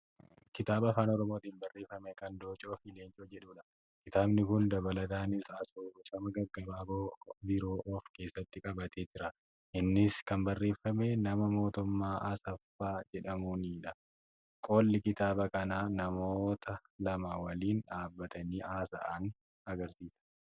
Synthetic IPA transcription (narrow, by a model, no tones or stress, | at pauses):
kɪt̪aːbɐɐfaːnɔɾɔmoːt̪iːnbɐrːe̞ːfːɐmɛkɐnd̪oːt͡ʃʼoːfileːnt͡ʃʼoːd͡ʒɛᶑuːᶑɐ | kɪt̪aːbnɪkʊnd̪ɐbɐlɐt̪aːnɪsaːsoːsɐmɐɡɐɡːɐbaːboːbɪɾo̞ːʔɔfke̞ːsːɐt̪ːɪkʼɐbɐt̪ʰe̞ːd͡ʒɪɾɐ | ʔɪnːɪskɐmbɐrːe̞ːfːɐmenɐmɐmo̞ːt̪ʊmːaːɐsɐfːaːd͡ʒɛᶑɐmuːniːᶑɐ | kʼo̞ːlːɪkɪt̪aːbɐkɐnaːnɐmoːt̪ʰɐlɐmɐwɐliːnᶑaːbːɐt̪ɐniːʔaːsɐ̰ʔɐn | ɐɡɐɾsiːsɐ̥